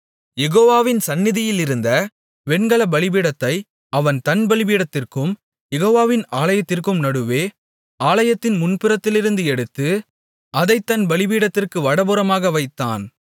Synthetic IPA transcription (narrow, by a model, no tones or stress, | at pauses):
jɛɣoːʋaːʋɪnsɐnːɪðɪjɪlɪɾɯnd̪ɐ | ʋɛɳɡɐɭɐbɐɭɪbiːɽɐt̪ːɐɪ | ɐʋɐnt̪ɐnbɐɭɪbiːɽɐt̪ːɪrkɯm | jɛɣoːʋaːʋɪnaːlɐjɐt̪ːɪrkɯmnɐɽɯʋeː | aːlɐjɐt̪ːɪnmʊnpɪɾɐt̪ːɪlɪɾɯnd̪ɯɛɽɯt̪ːɯ | ɐðɐɪt̪ːɐnbɐɭɪbiːɽɐt̪ːɪrkɯʋɐɽɐbɯɾɐmaːɣɐʋɐɪt̪ːa̰ːn